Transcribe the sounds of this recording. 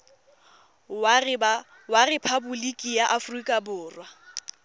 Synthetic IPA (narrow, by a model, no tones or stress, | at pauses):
warɪpʰabʊlikʼijaʔafrikʼabʊːrwa